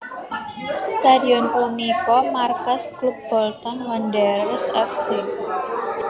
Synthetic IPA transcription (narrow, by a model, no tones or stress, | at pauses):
st̪adiɔnpumikɔmarkasklup̚b̥ɔlt̪ɔnwandərsɛfsi